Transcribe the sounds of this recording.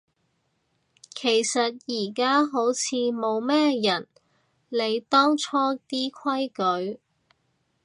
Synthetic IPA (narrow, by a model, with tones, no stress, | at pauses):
kʰe˨˩jsɐ˨t̚jiː˨˩kaː˥ɦo˨˥wt͡sʰiː˨˧mo˨˧wmɛː˥jɐ˨˩n | le˨˧jt̪ɔː˥ŋt͡sʰɔː˥t̪iː˥kʰɐ˥jkɵ˨˥ɥ